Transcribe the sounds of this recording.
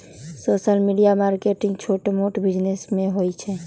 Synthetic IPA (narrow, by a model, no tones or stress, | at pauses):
soːsəlmiɖijamaːɾkeʈɪ̃ŋɡt͡ʃʰoːʈmoʈbid͡ʒnesmẽɦojt͡ʃʰɛ